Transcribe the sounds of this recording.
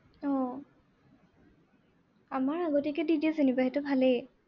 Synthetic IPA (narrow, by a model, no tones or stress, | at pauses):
ɔ̃ | amaɹaɡotikɛditiɔsenibaɦɛtʊbʱalɛ